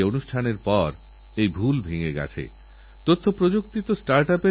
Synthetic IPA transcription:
onuʃʈʰaneɾpɔɾ | ejbʱulbʱiŋeɡɛ̰t͡ɕʰḛ | t̪ot̪ʰːopɾod͡ʑokt̪it̪osʈaɾʈape

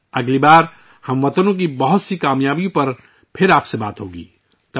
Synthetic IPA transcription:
ɐɡlibaːɾ | hɐmʋɐt̪ənõk̬ibɐɦʊt̪sikaːmjaːbijõpɐɾ | pʰɪɾaːpseba̰ːt̪ɦo̰ːɡḭː | t̪ɐ

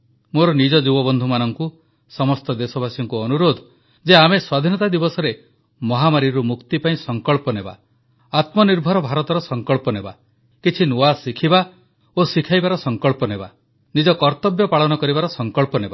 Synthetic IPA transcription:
moɾɔnid͡ʒɔd͡ʒubɔbɔnd̪ʱumanɔŋku | sɔmɔst̪ɔd̪esɔbʱasjɔŋkuɔnuɾod̪ʱ | d͡ʒeameswad̪ʱinɔt̪ad̪ibɔsɔɾe | mɔɦamaɾiɾumukt̪ipaĩsɔŋkɔɭpɔneba̰ | at̪mɔniɾbʱɔɾɔbʱaɾɔt̪ɔɾɔsɔŋkɔɭpɔneba̰ | kit͡ʃʰinuasikʰiba | osikʰajbaɾɔsɔŋkɔɭpɔneba̰ | nid͡ʒɔkɔɾt̪ɔbjɔpaɭɔnɔkɔɾibaɾɔsɔŋkɔɭpɔneba

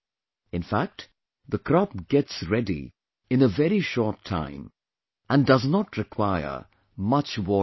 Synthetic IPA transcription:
ɨ̃nfæk̚t | ðəkʰɾɔp̚ɡ̥ɛtsɹɛdḭ | ɨ̃nəvɛɾiʃɔːɹtʰːã̰ɪ̃m | ə̃ndʌznətɹɪkʰwaɪə̰˞ | mʌt͡ʃwɔ

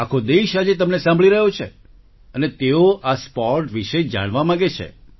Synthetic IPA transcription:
akʰod̪eʃad͡ʒet̪əmnesãmbʱɭiɾəɦjot͡ʃʰḛ | ənet̪eoʔaspɔʈʋiʃed͡ʒa̰ɽ̃ʋamãɡet͡ʃʰḛ

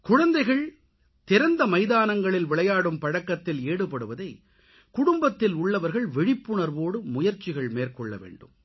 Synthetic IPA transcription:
kʊɻɐnd̪ɐɪɣɐɭ | t̪ɪɾɐnd̪ɐmɐɪðaːnɐŋɡɐɭɪlʋɪɭɐjaːɽɯmpɐɻɐkːɐt̪ːɪleːɽɯpɐɽɯʋɐðɐɪ | kʊɽʊmbɐt̪ːɪlʊɭːɐʋɐɾɣɐɭʋɛɻɪpːɯɳɐɾʋoːɽɯmʊjɐɾt͡ʃːɪɣɐɭmeːɾkɔɭːɐ̰ʋḛːɳɖɯm

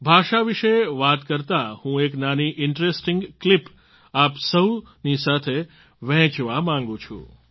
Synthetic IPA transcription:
bʱaʃaʋiʃeʋat̪kəɾt̪ahũeknaniʔɪɳʈɾesʈɪ̃ŋɡklip | apsəu | nisat̪ʰe | ʋɛ̃t͡ʃʋamãŋɡũt͡ʃʰṵ̃

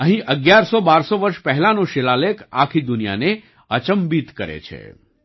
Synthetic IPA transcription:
ɐɦĩʔɐɡjaːɾsɔbaːɾsɔʋɐɾʃpɛɦlanõʃelaleka̰ːkʰid̪ʊnija̰ne | ət͡ʃəmbit̪kɐɾḛt͡ʃʰḛ

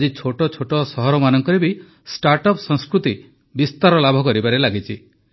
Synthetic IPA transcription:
d͡ʒit͡ʃʰoʈɔt͡ʃʰoʈɔsɔɦɔɾɔmanɔŋkɔɾebi | sʈaɾʈɔpsɔ̃ŋskɾut̪i | bist̪aɾɔlabʱɔkɔɾibaɾelaɡit͡ʃʰi

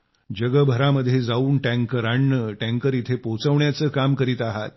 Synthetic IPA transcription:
d͡ʑəɡəbʱəɾaməd̪ʱjed͡zauːnʈæ̃ŋkəɾaɳːəʈæ̃ŋkəɾit̪ʰepot͡səʋɳjat͡səːkamkəɾiːt̪aɦa̰t̪̚

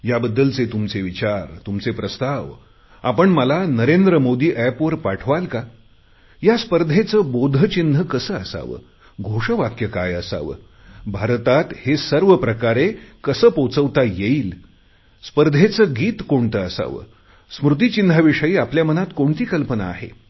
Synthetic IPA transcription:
jabəd̪ːəlt͡set̪umt͡seʋit͡ɕaɾt̪umt͡sepɾəst̪aʋ | a̰pəɳməlanəɾend̪ɾəmod̪iːʔæpʋəɾpaʈʰʋalka | jaspəɾd̪ʱet͡səːbod̪ʱət͡ɕinəkəsəːəsa̰ʋə̰ː | ɡʱoʂəʋakjəka̰jəsa̰ʋə̰ː | bʱaɾt̪at̪hesəɾʋəpɾəkaɾekəsəːpot͡səʋt̪ajeiːl | spəɾd̪ʱet͡səːɡiːt̪koɳt̪əəsa̰ʋə̰ | smɾut̪̬it͡ɕind̪ʱaʋiʂəiːapljamənat̪koɳt̪iːkəlpəna̰ːɦḛ

